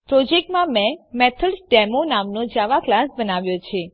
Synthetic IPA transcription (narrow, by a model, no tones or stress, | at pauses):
pɾɔd͡ʒek̚ʈmãmɛ̃mɛt̪ʰəlsɖɛmonamnod͡ʒaʋaklasbənaʋjot͡ʃʰe